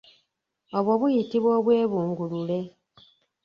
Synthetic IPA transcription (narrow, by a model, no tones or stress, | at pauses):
oβwoβujitiβwoːβwe̞ːβuːŋɡulule̞